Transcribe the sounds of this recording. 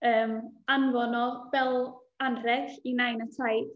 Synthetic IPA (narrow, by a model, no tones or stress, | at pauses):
əːmanvɔnɔvɛlˠ | anrɛɡinajnətʰajd̥